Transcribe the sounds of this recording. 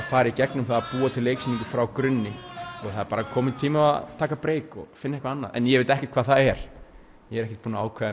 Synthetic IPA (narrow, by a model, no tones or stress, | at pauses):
faːɾɪicɛknʏmθaðapuːat̪ʰɪlːejksinĩŋkʏfɾawkɾʏnːɪɔɣθaðɛɾpaːɾakʰɔːmɪnt̪ʰiːmaa̰t̪ʰaːkapɾeːjkɔ̰ɣfɪnːɛhkvaanːa̰ðɛ̰njɛɣvejt̪ɛhcɛ̥ɾt̪̚kvaːðθaðɛɾ̥ | jɛɛɾɛhcɛ̥t̪̚puːnaaːwkʰvað